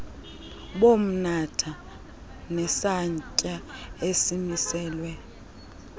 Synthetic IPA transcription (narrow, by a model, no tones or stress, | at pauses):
ɓom̩natʰa | nɛsaɲcʼaesimisɛːlwɛ